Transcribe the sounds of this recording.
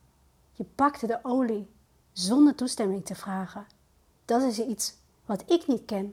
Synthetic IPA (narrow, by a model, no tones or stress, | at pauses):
jəpɑktədəʔowli | zɔndəɹtustɛmɪŋtəv̥raːχən | d̥ɑtɪs̬its | ʋɑtɪknitkɛn